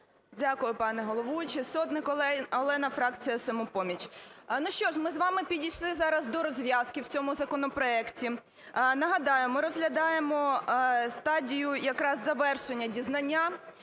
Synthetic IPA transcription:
dʲakʊjʊpɑnɛɦɔlˠɔʋut͡ʃɪsɔt̪nɪkɔɛɔlˠɛnɐfɾɑk̚t͡sʲijɐsɐmɔpɔmʲit͡ʃʲnuʃt͡ʃɔʒmɪzʋɑmɪpʲidʲijʃlˠɪzɑɾɐzd̪ɔɾɔzʲʋʲjɑskɪwt͡sʲɔmʊzɐkɔnɔpɾɔɛktʲi | nɐɦɐd̪ɑjemɔɾɔzɦlʲɐd̪ɑjemɔst̪ɑdʲijʊjɐkɾɑzːɐʋɛrʃenʲːɐdʲiznɐnʲːa

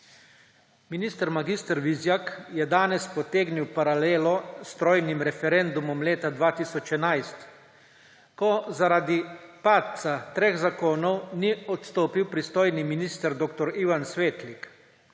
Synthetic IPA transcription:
miniːst̪əɾmaɡist̪əɾʋizjakjɛd̪aːnɛspɔt̪eːɡniwpaɾaleːlɔst̪ɾoːjnimɾɛfɛɾɛnd̪umɔmleːt̪ad̪ʋaːt̪isɔt͡ʃɛnajst̪ | kɔzaɾaːd̪ipaːt̪̚t̪sat̪ɾeːɣzakoːnɔwniɔt̪st̪oːpiwpɾist̪oːjniminist̪əɾd̪oːkt̪ɔɾiʋansʋeːt̪lik

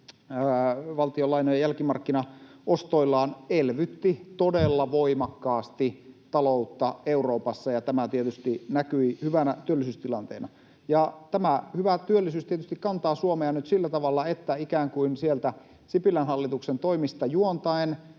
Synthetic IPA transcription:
ʋɑlt̪iolɑinojɑjælkimɑrkːinɑʔost̪oilːɑːnelʋyt̪ːit̪odelːɑʋoimɑkːɑːst̪it̪ɑlout̪ːɑeuroːpɑsːɑjɑt̪æmæt̪iet̪yst̪inækyihyʋænæt̪yølːisyːst̪ilɑnt̪ḛːnɑ | jɑt̪æmæhyʋæt̪yølːisyːst̪iet̪yst̪ikkɑnt̪ɑːsuomeɑnyt̪silːæt̪ɑʋɑlːɑet̪ːæikæːŋkuinsielt̪æ | sipilænhɑlːit̪uksent̪oimist̪ɑjuont̪ɑen

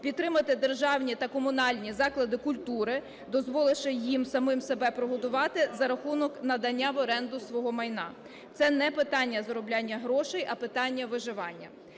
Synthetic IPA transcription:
pʲit̪t̪ːɾɪmɐt̪ɪd̪erʒɑwnʲit̪ɐkɔmʊnɑlʲnʲizɑklˠɐd̪ɪkʊlʲt̪uɾɪ | d̪ɔzʋɔlˠeʃɐjimsɐmɪmsebɛpɾɔɦɔd̪ʊʋɑt̪ɪzɐɾɐxunɔknɐd̪ɐnʲːaʋɔɾɛnd̪ʊsʋɔɦɔmɐjn̪ɑ̰ | t̪sɛnɛpɪt̪ɑnʲːɐzɐɾɔblʲanʲːɐɦɾɔʃɛjʔɐpɪt̪ɑnʲːɐʋɪʒɪʋɑnʲːɐ

